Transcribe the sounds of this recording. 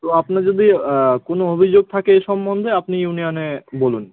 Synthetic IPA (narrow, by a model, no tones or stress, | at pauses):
t̪oapnad͡ʑod̪ikonoobʱid͡ʑoɡ̚t̪ʰakeeʃɔmbond̪ʱeapnijunijonebolun